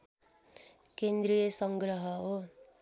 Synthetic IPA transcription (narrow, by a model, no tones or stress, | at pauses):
kend̪ɾijʌsʌŋɡɾʌɦʌo